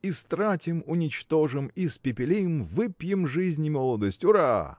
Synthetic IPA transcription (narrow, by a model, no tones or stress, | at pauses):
ist̪ɾatʲɪmʊnʲɪt͡ɕt̪o̞ʐɨmispʲɪpʲɪlʲimvɨpʲjɪmʐɨzʲnʲɪmolˠəd̪əsʲtʲʊɾa